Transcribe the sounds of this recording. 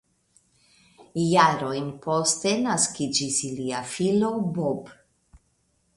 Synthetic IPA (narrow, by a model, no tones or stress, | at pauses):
jaɾo̞jnpo̞ste̞naskid͡ʒisiliafilo̞bob